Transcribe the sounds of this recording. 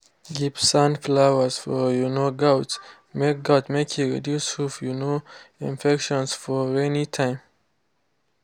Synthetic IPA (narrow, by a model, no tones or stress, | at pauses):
ɡipsãnflawəsfɔjunoɡaʊt | mek̚ɡaʊtmekʰiɹḭdjushufjunoḭ̃nfɛkʃɔ̃nsfɔɛnitʰãɪ̃m